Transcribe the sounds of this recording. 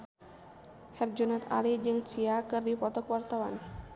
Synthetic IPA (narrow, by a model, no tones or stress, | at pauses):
hɛrd͡ʒunat̪a̰lid͡ʒɨŋt͡ʃiakɨrdipɔt̪ɔkwart̪awan